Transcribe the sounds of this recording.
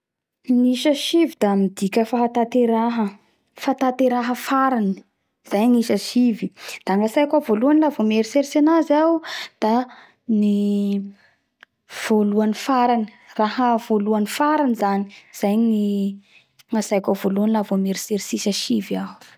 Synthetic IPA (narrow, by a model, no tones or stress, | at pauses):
niʃəʃivid̪amid̪ikʲəfaɦat̪at̪eɾaɦə | fat̪at̪eɾaɦəfaɾani | z̥ajniʃəʃivid̪̥aŋasajkʲavoluanilavomeɾiseɾsenazad̪̥a | ni | v̥oluanifaɾani̥ | raɦəv̥oluanifaɾanizaniz̥ajni | ŋasajkʲavoluanilavomeɾiseɾisisəʃiva